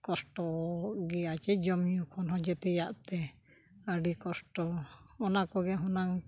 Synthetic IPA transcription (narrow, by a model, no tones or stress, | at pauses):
kɔsʈɔɡɛjat͡ʃɛd͡ʒɔmjukʰɔnɦɔ̃d͡ʒɛt̪ɛjaʔt̪ɛ | aɖikɔsʈɔɔnakɔɡɛɦɔnaŋ